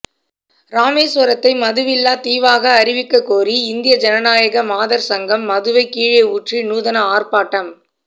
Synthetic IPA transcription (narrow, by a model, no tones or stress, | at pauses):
ɾaːmeːsʋɐɾɐt̪ːɐɪmɐðɯʋɪlːaːt̪iːʋaːɣɐːɾɪʋɪkːɐkːoːriɪnd̪ɪjɐd͡ʒɛnɐnaːjɐɣɐmaːðɐɾsɐŋɡɐmːɐðɯʋɐɪkːiːɻeuʈrinuːðɐnɐaːrpaːʈːɐm